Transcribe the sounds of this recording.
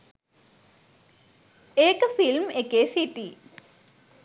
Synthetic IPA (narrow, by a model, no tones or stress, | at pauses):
eːkəfilmekeːsiʈiː